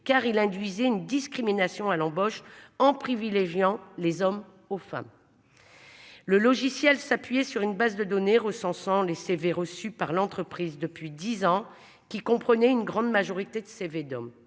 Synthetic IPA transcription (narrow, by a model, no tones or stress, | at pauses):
kaʁilɛ̃d̪ɥizɛynd̪iskχiminasjɔ̃alɑ̃bɔʃɑ̃pχivileʒjɑ̃lezɔm | ofa̰m | ləlɔʒisjɛlsapɥijɛsyʁynbazd̪əd̪ɔneʁəsɑ̃sɑ̃leseveʁəsypaʁlɑ̃t̪χəpχizd̪əpɥid̪izɑ̃ | kʲikɔ̃pχənɛynɡʁɑ̃d̪maʒɔʁit̪ed̪əseved̪ɔm